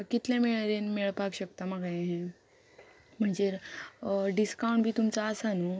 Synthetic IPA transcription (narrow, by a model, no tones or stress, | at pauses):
kit̪ljameɭɾenmeɭpaɡɕək̚t̪amaɡajɦẽ | m̤əɳd͡zeɾ | ɖiskawɳʈbʱiːt̪umt͡saːsanu